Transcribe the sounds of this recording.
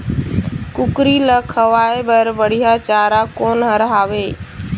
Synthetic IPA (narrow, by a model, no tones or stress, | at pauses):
kʊkɾiləkʰəʋaebəɾbəɽ̤ijat͡ʃaːɾakoːnɦə̃ɾɦaːʋeː